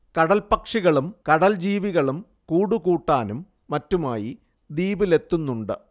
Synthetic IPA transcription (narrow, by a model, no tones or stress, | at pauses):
kɐɽɐlpɐkʂiɣɐɭumkɐɽɐld͡ʑiːʋiɣɐɭum | kuːɽukuːʈːaːnumː | ɐtːumaːji | d̪iːbile̞t̪ːunːuɳɖɨ